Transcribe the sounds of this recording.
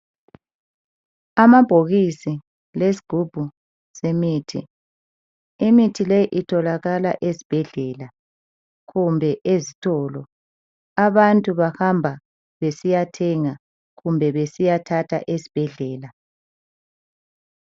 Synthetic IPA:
amab̥ʱoɣisi | les̬i̥ɡ̥ʱub̥ʱu | semiːtʰḭ | imitʰilejʔitʰɔlaɣala̰ʔezib̥ʱɛɮɛːla | ɣumbʱɛʔezitʰɔːlɔ | aβantʼuβahambʱa | βesijatʰɛŋa | ɣumbʱɛβesijatʰatʰa̰ʔezi̥b̥ʱɛɮɛːla

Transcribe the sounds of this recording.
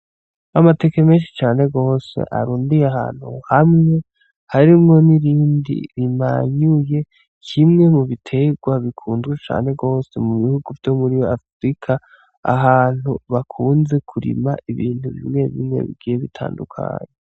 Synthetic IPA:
amate̞kemeːnʃi̥t͡ʃaːne̞ɡo̞ːse̞̰ʔa̰ɾuːndijeaɦa̰ːn̥hṵhamŋe̞ | haɾimŋo̞niɾiːndḭɾima̰ɲuje̞ | kʰimŋe̞muβitʰe̞ɡwaβikʰuːnzɡwet͡ʃa̰ːne̞ɡo̞ːse̞muβihuɡuvjo̞muɾijoafɾikʰa | a̰ɦaːn̥huβakʰuːnze̞kʰuɾḭma̰ʔiβiːnhuβḭmŋe̞βḭmŋe̞̰βḭɡiːjeβitʰa̰ːndukʰa̰ːɲe

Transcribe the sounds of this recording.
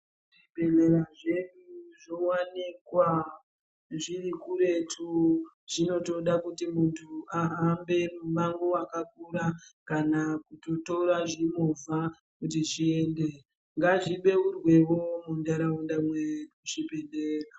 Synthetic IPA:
ʐibʱe̞neɾaʐe̞ɗuʐowanikwa | ʐirikuɾe̞tʰu | ʐino̞to̞ɗakutimuntʰuaɦambe̞mumaŋɡowakakuɾakanakuto̞toɾaʐimova | kutiʐie̞nde̞ | ŋɡaʐiɓe̞urwe̞ʋo̞mundaɾaundamweuʐibʱe̞neːra

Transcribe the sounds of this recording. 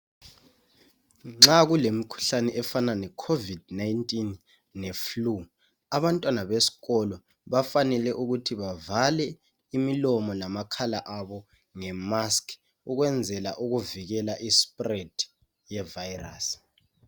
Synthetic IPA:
ŋ͡ǁaɣulemikʰu̥ɬanɛʔɛfananɛkʰovidnajntʼinː | eflu | aβantʼwanaβesi̥ɣɔlɔ | βafanɛlɛʔuɣutʰiβavalɛ | imilɔmɔlamakʰala̰ʔaβɔ | ŋɛmaskʰ | uɣwɛnd͡zʱɛlaʔuɣuviɣɛlaʔispʼred̥ʱ | jɛvajra̰s

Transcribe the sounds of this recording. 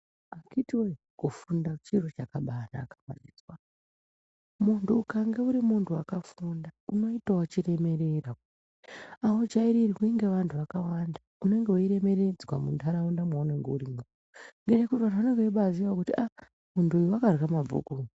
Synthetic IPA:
akitiwe | kofundat͡ʃirot͡ʃakaɓana̰ːkamwa̰ɗid͡zwa | muntʰuːkaŋɡe̞uɾimuntʰuwakafundauno̞itawat͡ʃire̞me̞ɾe̞ra | aod͡ʒaiɾirikuiŋɡe̞ʋantʰuʋakawandaune̞ŋɡeoiɾe̞me̞ɾe̞d͡zwa̰muntaɾaundamwaune̞ŋɡeuɾimu | ŋɡenekutwanaune̞ŋɡeiɓaziwakutia | muntuːjuwakarɣamavṵkun

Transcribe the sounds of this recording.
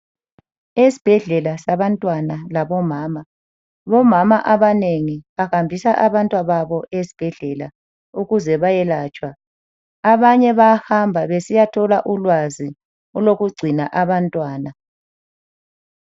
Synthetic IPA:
esi̥b̥ʱɛɮɛlasaβantʼwanalaβɔmaːma | βɔmamaʔaβaneŋiβahambʱisaʔaβantʼwaβaβɔʔesi̥b̥ʱɛɮɛla | uɣuzɛβajɛlaːt͡ʃʼwaː | βaɲɛβahambʱaβesijatʰɔlaʔulwazi | uloɣuɡ͡ǀʱinaʔaβantʼwaːna

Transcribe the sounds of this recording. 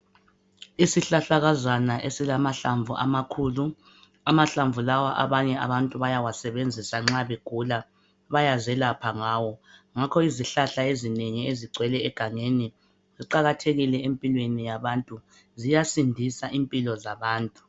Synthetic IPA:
isiɬaɬaɣazanaʔesilamaɬaɱvuʔa̰makʰuːlu | amaɬaɱvulawaʔa̰βaɲɛaβantʼuβajawasɛβend͡zʱisaŋ͡ǁaβeɡ̥ʱula | βajazɛlapʰaŋaːwɔŋakʰɔiziɬaɬaezineŋieziɡ͡ǀʱwɛlɛːɡ̥ʱaŋeni | ziǃaɣatʰeɣilɛempʼilwenijaβantʼu | zijasindʱisaʔimpʼilɔzaβaːntʼu̥

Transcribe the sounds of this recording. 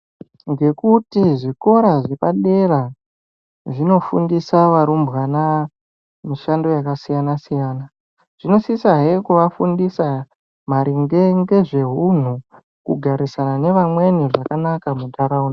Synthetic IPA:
ŋɡe̞kutiʐiko̞ɾaʐepaɗe̞ra | ʐino̞fṵndisaʋaɾumbɣana | miʃando̞jakasijanasijaːna | ʐ̥ino̞sisaɦekuʋafundisa | m̤aɾiŋɡeŋɡe̞ʐe̞ɦun̤u | kuɡʱaɾisanane̞ʋamwe̞niʐakanakamutaɾauna

